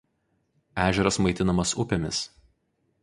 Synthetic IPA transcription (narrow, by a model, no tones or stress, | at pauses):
æːʒʲɛɾɐsmɐɪt̪ʲɪnɐmɐsʊpʲemʲɪs